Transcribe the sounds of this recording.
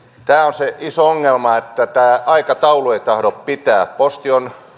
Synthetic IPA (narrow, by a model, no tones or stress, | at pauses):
t̪æːonseisooŋːelmɑet̪ːæt̪æːʔɑikɑt̪ɑulueit̪ɑhɾoppit̪æːppost̪ion